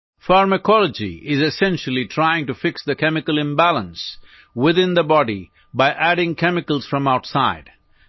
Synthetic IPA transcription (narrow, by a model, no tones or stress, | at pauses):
faɹməkʰɔləd͡ʒḭɪzɨsɛ̃nʃəlitʰɹaɪɪ̃ŋʈufɪksðəkɛmɪkəlˠɪ̃mbælə̃ns | wɪðɪ̃nd̪əbɔɖi | baɪʔæɾɪ̃ŋkʰɛmɪkəl̩ˠz̥fɹʌ̃maʊʈsaɪd̥